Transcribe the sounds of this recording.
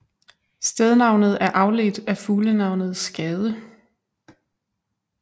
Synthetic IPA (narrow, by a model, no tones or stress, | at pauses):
sd̥eðˠnɑ̈ʊnð̞̩ˠæɐʔɑ̈ʊled̥æfuːlənɑ̈ʊ̰nð̞̩ˠsːɡ̥ɛːð̞ˠə